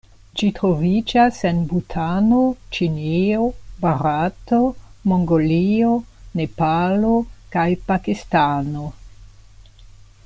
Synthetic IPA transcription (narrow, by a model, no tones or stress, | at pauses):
d͡ʒitɾo̞vid͡ʒase̞nbutʰano̞t͡ʃinio̞baɾato̞moŋɡolione̞palokajpakistano̞